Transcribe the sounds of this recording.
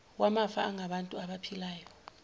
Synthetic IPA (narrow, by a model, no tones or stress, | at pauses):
wamafaːŋʱaɓantʼuaɓapʰilaːjɔ